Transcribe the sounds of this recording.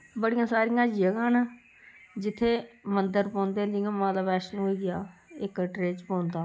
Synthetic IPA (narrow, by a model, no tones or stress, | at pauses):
bəɽijãːsaːɾijãːd͡ʒijəɡaːnː | d͡ʒɪt̪ʰːeːmənd̪əɾpɔ̃ːnd̪eːd̪ijãːmãːlaːʋɛːsnũːoːɡɪjaːɪkʈɾeːt͡ʃpõːnd̪aː